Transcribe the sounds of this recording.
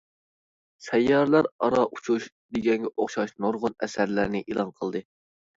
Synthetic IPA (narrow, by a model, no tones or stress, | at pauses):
sɛjːɑɾlˠæɾɑɾɑʔut͡ʃʰuʃ | d̪eɡʲɛŋɡʲɛʔoχʃɑʃnoɾʁʊnɛ̰sæɾlæ̰ɾnɪʔilˠɑnqʰəlˠd̪ɨ